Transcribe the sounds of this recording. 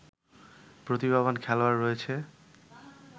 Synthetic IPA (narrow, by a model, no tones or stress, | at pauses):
pɾot̪ibaβankʰɛlowaɾːojet͡ɕʰe